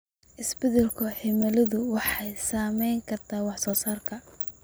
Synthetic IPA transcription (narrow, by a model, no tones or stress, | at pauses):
ʔɪsbɛðɛlkʰʊħɪmɐlɐðʊwɑħɑjsaːmɛjŋkʰɐrt̪ʰaːwɑħsɔːsaːrkʰɐ